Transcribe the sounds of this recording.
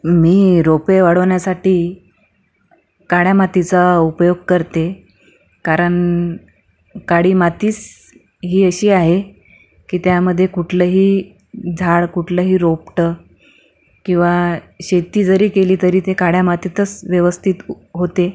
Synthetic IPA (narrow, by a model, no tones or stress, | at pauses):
miːɾopeʋaɽ̤əʋɳjasaʈiː | kaɽjamat̪it͡saupjoɡ̚kəɾt̪e | kaɾəɳ | kaɽiːmat̪iːt͡s | ɦiːəɕiːaɦe | kiːt̪jaməd̪ʱːjekuʈʰləɦiː | d͡zʱaɭkuʈʰləɦiːɾop̚ʈə | kĩw̃ʋa | ɕet̪iːd͡zəɾiːkeliːt̪əɾiːt̪ekaɽjamat̪it̪ət͡sʋjəʋəst̪ʰit̪ | ɦot̪e